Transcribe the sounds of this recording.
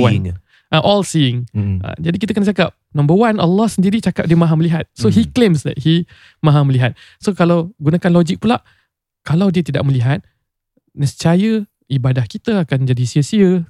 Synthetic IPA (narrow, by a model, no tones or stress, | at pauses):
wa | ʔaʔɔlsiɪŋə̰d͡ʒadikit̪əkənat͡ʃakap̚nãmbəwanəlːɔhsəndiɾit͡ʃakap̚diəmãɦaməliɦat̪̚soɦiklemsla̰ʔhi | mãɦaməliɦat̪̚ | sokalawɡunakanlɔd͡ʒik̚pulaʔ | kalawdiət̪ida̰ʔ̚məliɦat̪̚ | nəsət͡ʃajə | ibadahkit̪əakand͡ʒadisiəsiə